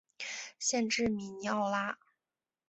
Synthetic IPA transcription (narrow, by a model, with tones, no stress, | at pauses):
ɕjɛ˥˧nʈ͡ʂɻ̩˥˩mi˨˩n˧ɑ˥˧ʊla˥